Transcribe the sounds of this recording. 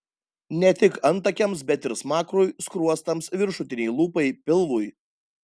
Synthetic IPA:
nʲɛt̪ʲɪkɐnt̪ɐkʲɛmsbʲɛt̪ɪɾsmɑːkɾujskɾuɔst̪ɐmsʋʲɪɾʃʊt̪ʲɪnʲɛɪlˠuːpɐɪpʲɪlˠʋuj

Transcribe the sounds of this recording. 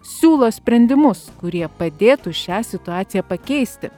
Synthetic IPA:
sʲuːlˠoːsʲpʲɾʲɛnʲd̪ʲɪmʊskʊɾʲiɛpɐd̪ʲeːt̪uːʃʲæːsʲɪt̪ʊɑːt̪sʲɪjæːpɐkʲɛɪsʲt̪ʲɪ

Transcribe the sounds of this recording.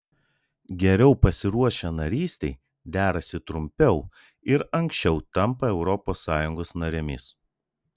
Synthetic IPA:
ɡʲɛɾʲɛʊpɐsʲɪɾuɔʃʲɛnɐɾʲiːsʲt̪ʲɛɪ | d̪ʲæːɾɐsʲɪt̪ɾʊmʲpʲɛʊ | ɪɾɐŋʲksʲt͡ʃʲɛʊt̪ɐmpɐɛʊɾɔpoːsːɑːjʊŋɡoːsnɐɾʲɪmʲɪ̰s

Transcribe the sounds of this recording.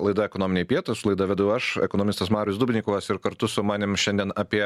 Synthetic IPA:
lˠɐɪd̪ɐɛkonoːmʲɪnʲeɪpʲiɛt̪oɪsʊlˠɐɪd̪ɐʋʲɛd̪ʊjɛɐʃɛ̰konoːmʲɪst̪ɐsmɑːɾʲʊɪsd̪ubʲnʲiːkʊʋɐsɪɾkɐɾt̪ʊsʊmɑːnʲɪmʃʲɛnʲd̪ʲiɛnɑːpʲiɛ

